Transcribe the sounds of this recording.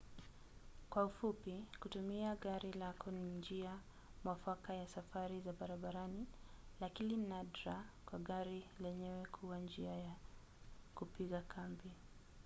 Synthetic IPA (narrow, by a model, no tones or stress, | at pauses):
kwaufupikutumiaɠaɾilakʰɔnind͡ʒia | mwafwakajasafaɾizaɓaɾaɓaɾanilakininadɾakwaɠaɾilɛɲɛwɛkʰuwand͡ʒiaja | kupiɠakʰambi